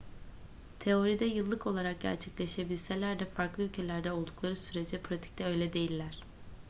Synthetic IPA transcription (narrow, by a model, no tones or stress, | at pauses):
t̪ʰe̞o̞ɾid̪ɛjɯlˠːɯko̞lˠaɾak̚ɟæ̰ɾt͡ʃʰɛclʲe̞ʃe̞bilʲse̞lʲæɾd̪ɛfaɾklˠɯylʲcʰelʲæɾd̪ɛo̞lˠd̪uklˠaɾɯsyɾed͡ʒd̪ɛpʰɾat̪ʰi̥c̚t̪ɛø̞jlʲɛd̪e̞jilʲːæɾ̝̥